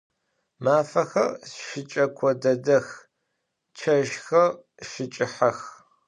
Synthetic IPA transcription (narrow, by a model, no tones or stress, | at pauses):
maːfɐxɐ̰rsʃɪt͡ʃʼɐkʷʰɔdɐdɐx | t͡ʃʰɐʒxɐr | ʃɪt͡ʃʼɪħɐx